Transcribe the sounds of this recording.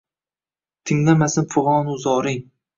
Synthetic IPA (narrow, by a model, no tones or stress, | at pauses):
t̪ʰɪŋlamasɪnfʊʁɒːnʊzɒːɾɪŋ